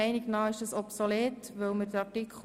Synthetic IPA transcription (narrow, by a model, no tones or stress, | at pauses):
ɛɪnɪɡnɑːɪʃdəsɔpsoleːtʋɵlməɾdəɑtikʰ